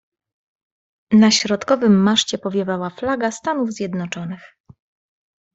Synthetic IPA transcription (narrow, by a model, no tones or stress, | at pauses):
naɕɾɔt̪kɔvɘmːaʂt͡ɕɛpɔvʲjɛvawaflaɡast̪anuvzʲjɛd̪nɔt͡ʂɔnɘx